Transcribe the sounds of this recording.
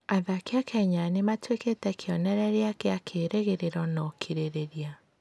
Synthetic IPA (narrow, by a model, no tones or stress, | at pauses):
aðakeakɛɲanematweketɛkʰeɔnɛɾɛɾeakeakʰeɾʔeɣeɾeɾɔnɔkʰiɾeɾeɾia